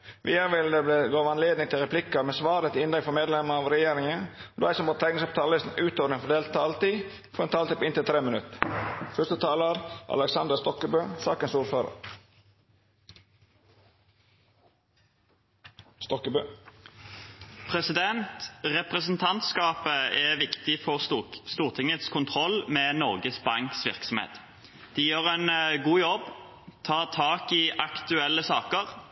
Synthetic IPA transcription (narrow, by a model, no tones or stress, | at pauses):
ʋḭːəɾʋɪld̪ɛbleɡoːʋɑnleːd̪nɪŋt̪ʰɪlʁɛpʰlɪkəɾmeːsʋɑːɾət̪ʰɪɪnd̪ɛɡfɔmeːd̪lɛməɑːʋɾɛjeːɾɪŋəd̪ːæɪsɔmɔt̪t̪ʰɛɪŋnɪsɑp̚t̪ʰɑllɪst̪n̩ʉːt̪od̪ənfɔd̪eːlt̪ʰɑlt̪iː | fɔɾɛːnt̪ʰɑːlt̪iːpɪnt̪ɪlt̪ʰɾeːmənʉt̪ːfœst̪ət̪ʰɑːləɾʔɑ̰ləksɑnd̪əst̪ɔkəbøːsɑ̰ːkənsuːɾføːɾə̰ɾ | st̪ɔkəbøː | pʰʁɛsɪd̪ɛnt̪ʁɛpʁəsnt̪ʰɑnt̪skɑːpəɛʋɪkt̪ɪfɔʁst̪uːʁt̪ʰɪŋət̪skʰʊnt̪ʰʁɔlmɛːnɔʁɡəsbɑŋksʋɪ̰ʁksɔmḛːt̪ | d̪̥ɪjøːʁɛnɡuːjɔb | t̪ʰɑːʁt̪ʰɑːkɪʔɑkt̪ʉɛlːəsɑːkəʁ